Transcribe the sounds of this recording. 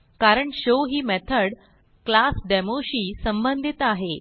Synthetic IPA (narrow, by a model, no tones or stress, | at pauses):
kaɾəɳɕoɦiːmɛt̪ʰəɽ | klasɖɛmoɕiːsəmbənd̪ʱit̪aɦe